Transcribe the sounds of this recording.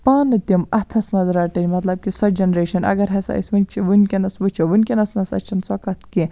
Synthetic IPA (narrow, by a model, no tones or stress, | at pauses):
paːnɨt̪imɐt̪ʰɐsmɐzɾaːʈɐnʲmɐt̪lɐb̚kisɐd͡ʒɐnɾeːʃɐnɐ̰ɡɐɾɦɐsɐ̰ːḭsʲʋɨnʲt͡ʃʰiʋɨnkʲinɐsʋɨt͡ʃʰiʋɨnʲkʲinɐsnɐsɐ̰t͡ʃʰɐnsɐkɐt̪ʰki